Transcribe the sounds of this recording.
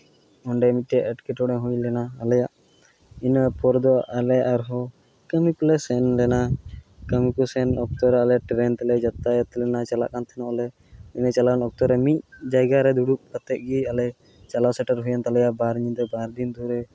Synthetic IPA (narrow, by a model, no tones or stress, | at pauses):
ɔɳɖɛmit̪̚ˀʈɛaʔɛʈkɛʈɔɽɛɦũjlɛnaːlɛjaʔ | inapɔɾd̪ɔʔalɛaʔaɾɦɔ | kəmikɔlɛsɛnlɛnakəmikɔsɛnɔk̚t̪ɔɾɛalɛaʈɾɛnt̪ɛlɛd͡ʒat̪ajt̪ɛlɛnat͡ʃala̰ʔkant̪ʰɛnɔʔɔlɛ | inət͡ʃalakanɔk̚t̪ɔɾɛmit̪̚d͡ʒajɡaɾɛd̪uɽuk̚kət̪ːɛʔ̚ɡialɛ | t͡ʃalawsɛʈəɾɦujant̪alɛjaʔbaɾɲind̪ɛbaɾd̪ind̪uɾɛ